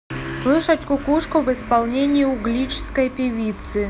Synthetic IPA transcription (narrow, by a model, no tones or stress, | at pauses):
slˠɨʂətʲkʊkuʂkʊvɨspalˠnʲenʲɪɪʊɡlʲit͡ɕɪ̥skəjpʲɪvʲit̪sɨ